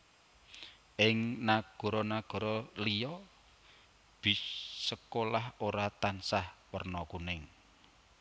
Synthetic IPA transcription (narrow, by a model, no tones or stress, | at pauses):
ʔɪŋnaɡ̥ɔ̤ɾɔnaɡ̥ɔ̤ɾɔlijɔ | b̥i̤səkolahoɾat̪ansahwərnɔkunɪŋ